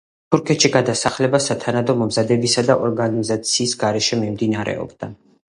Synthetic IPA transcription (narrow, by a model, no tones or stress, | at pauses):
t̪ʰuɾkʰɛt̪ʃiɡad̪asaχlɛbasat̪ʰanad̪ɔmɔmzad̪ɛbisad̪aʔɔɾɡanizat̪sʰiːsɡaɾɛʃɛmimd̪inaɾɛ̰ɔ̰bd̪a